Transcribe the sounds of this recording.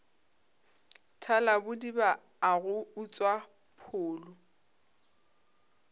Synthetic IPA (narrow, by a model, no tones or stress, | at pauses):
tʰalabʊdibaː | ɣʊʊt͡sʼwa | pʰʊːlʊ